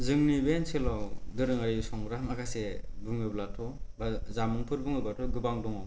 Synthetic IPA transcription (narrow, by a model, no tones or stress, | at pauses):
zɯŋnibenselɔwdɯɾɯŋajsɔŋɡɾamakʰasebɯŋɯblatʰɔbazamɯŋpʰɯɾbɯŋɯblatʰɔɡɯbaŋdɔŋɔw